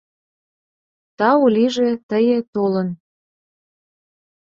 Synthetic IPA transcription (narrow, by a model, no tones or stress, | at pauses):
t̪ɑulʲiʒet̪əjet̪olən